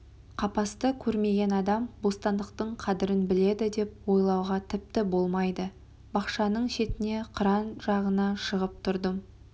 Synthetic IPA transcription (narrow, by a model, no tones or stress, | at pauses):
qʰɑpɑst̪əkʲʰɵɾme̞ɡʲe̞nɑd̪ɑmbo̞st̪ɑnd̪əqt̪əɴqʰɑd̪ɪɾɪnbɪle̞d̪ɪd̪e̞p̚wo̞jlˠɑwʁɑt̪ʰɪp̚t̪ɪbo̞lˠmɑjd̪ə | bɑqʃɑnəɴʃe̞t̪ɪne̞qʰəɾɑnʒɑʁənɑʃəʁəp̚t̪ʰʊɾd̪əm